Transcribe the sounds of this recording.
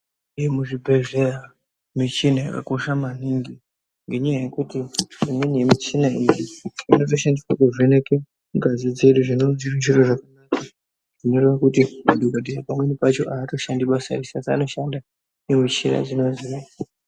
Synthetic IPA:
ijemuʐibʱe̞ʐe̞ra | mit͡ʃinaja̰ka̰ko̞ʃamaniŋɡi | ŋɡe̞ɲajaje̞kutiʐimwenijemit͡ʃinaind͡ʒiino̞to̞ʃandiswakuʐeneke | uɡazid͡ze̞ɗuʐinod͡ziriniroʐakanaka | ʐ̥ino̞ɾe̞ʋakutimadʱoɡadʱijapamwe̞nipat͡ʃo̞ʔaːto̞ʃandiɓasa̰risasaːno̞ʃanda | nemit͡ʃiɾa̰d͡zino̞zio

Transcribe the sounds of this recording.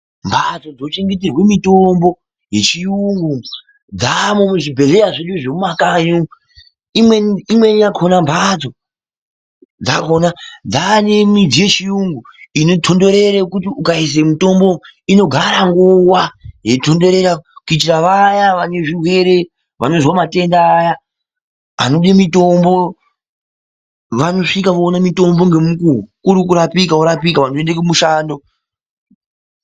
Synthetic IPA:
mbʱat͡so̞d͡zo̞t͡ʃe̞ŋɡet̬irwe̞mitombo̞ | je̞t͡ʃijuŋɡu | d͡zamumuʐibʱe̞ɮe̞ɾaʐet͡ʃoʐemumakaɲu | imweimwe̞nijakʰonambʱat͡so̞ | d͡zakʰonad͡zanemid͡zije̞t͡ʃijuŋɡuinotʰondo̞ɾe̞ɾekutiukais̬emito̞mboino̞ɡʱaɾaŋɡuwaje̞to̞ndo̞ɾe̞ɾakuit͡ʃiraʋajaʋane̞ʐirwe̞ɾe̞ | ʋano̞zwamate̞ndaːja | a̰noɗimito̞mbo̞ | ʋano̞ʂikaʋoːnamito̞mbo̞ŋɡe̞mukukuɾikuɾapikauɾapikaʋanoendekemuʃaːndo

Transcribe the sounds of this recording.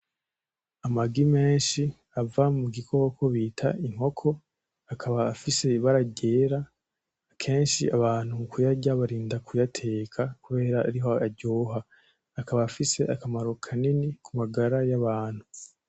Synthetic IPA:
amaɡime̞ːnʃi | avamuɡikʰo̞ːkʰoβiːtʰa̰iŋ̥ho̞kʰo̞ | akʰaβaːfise̞βaɾaɟe̞ːɾa | kʰe̞ːnʃḭaβaːn̥huukujaɟaβaɾiːndakujatʰe̞ːkʰakuβe̞ːɾaaɾiɦo̞aɟoːɦaː | kaβaːfise̞ʔakamaɾo̞kʰaninikʰumaɡaɾajaβaːn̥hu

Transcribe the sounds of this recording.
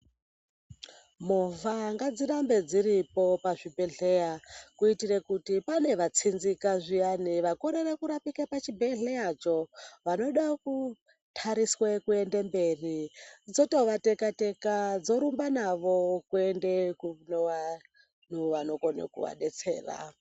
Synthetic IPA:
muvaŋɡad͡ziɾambe̞d͡ziɾipo̞paʐibʱe̞ɮejakuitirekutipane̞ʋat͡sʰinzikaʐijaniʋakoɾerekuɾapikapat͡ʃibʱeɮejat͡ʃo̞ʋano̞ɗaku | tʰaɾiswekue̞ndembe̞rid͡zo̞to̞ʋate̞kate̞kad͡zo̞ɾumbanaʋo̞kuendekunowa | nuʋano̞konḛkṵʋa̰ɗe̞t͡sḛːra̰

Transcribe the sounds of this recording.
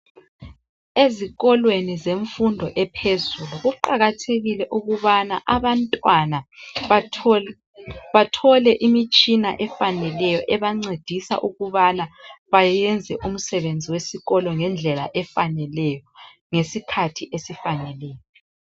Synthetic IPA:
eziɣɔlwenizeɱfundʱɔʔɛpʰezuluɣuǃaɣatʰeɣilɛʔuɣuβanaʔaβantʼwana | βatʰɔlɛʔimit͡ʃʼina̰ʔɛfanɛlɛjɔʔɛβaŋ͡ǀed̥ʱisa̰ʔuɣuβanaβajjɛnd͡zʱɛʔum̩sɛβend͡zʱiwesiɣɔlɔŋɛnd͡ɮʱɛla̰ʔɛfanɛlɛjɔ | ŋesikʰatʰiʔesifanɛlɛːjɔ

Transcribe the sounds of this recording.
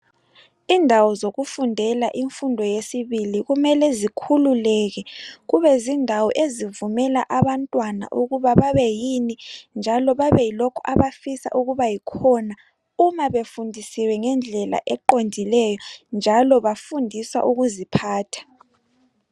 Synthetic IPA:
indʱawɔzoɣufundʱɛlaʔiɱfundʱɔjesiβiliɣumɛlɛzikʰululɛɣɛɣuβɛzindʱawɔʔezivumɛlaʔaβantʼwana̰ʔuɣuβaβaβɛjinind͡ʒʱalɔβaβɛjilɔkʰɔaβafisa̰ʔuɣuβajikʰɔna | umaβefundʱisiwɛŋɛnd͡ɮʱɛla̰ʔɛǃondʱilɛjɔnd͡ʒʱalɔβafundʱisa̰ʔuɣuzipʰaːtʰḁ

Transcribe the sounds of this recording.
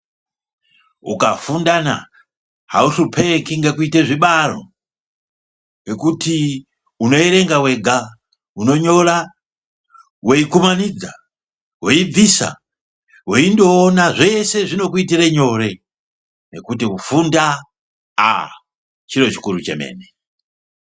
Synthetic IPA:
ṵkafundana̰ | ha̰urupʰekiŋɡekuiteʐiɓaro̞̰ | we̞kuti | uno̞eɾe̞ŋɡawe̞ɡʱa | uno̞ɲo̞ra | we̞ikumanid͡za̰ | we̞ib͡visa̰ | we̞indo̞ːnaʐe̞se̞ʐino̞kuitireɲo̞ɾe̞ | ne̞̰kutiufunda | a̰ | t͡ʃiɾo̞t͡ʃi̥kuɾut͡ʃe̞̰me̞̰ːne

